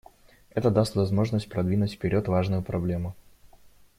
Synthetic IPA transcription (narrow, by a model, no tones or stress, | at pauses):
ɛt̪əd̪ast̪vɐzmo̞ʐnəsʲt̚ʲpɾɐd̪vʲinʊtʲfpʲɪɾʲo̞t̪vaʐnʊjʊpɾɐblʲe̞mʊ